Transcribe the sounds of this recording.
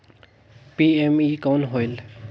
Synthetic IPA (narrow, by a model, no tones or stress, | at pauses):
piːemikoːnɦoːjl